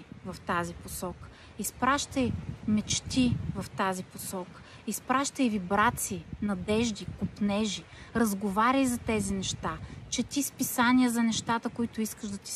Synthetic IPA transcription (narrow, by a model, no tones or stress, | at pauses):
vɐft̪aziposɔkə̥ | ispɾaʃt̪əjmɛt͡ʃt̪ivɐft̪aziposɔkə̥ | ispɾaʃt̪əjvibɾat̪sinɐd̪ɛʒd̪ikʊpnɛʒi | ɾɐzɡovaɾʲəjzɐt̪ɛzinɛʃt̪at͡ʃɛt̪ispisanijəzɐnɛʃt̪at̪əkoit̪ʊiskəʒd̪ɐt̪i̥